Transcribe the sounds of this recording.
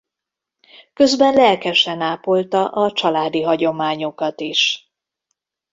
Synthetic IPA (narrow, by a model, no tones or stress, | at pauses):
kø̞zbɛnlɛlkɛʃɛnaːpo̞lt̪ɒʔɒt͡ʃɒlaːd̪iɦɒɟo̞maːɲo̞kɒt̪iʃ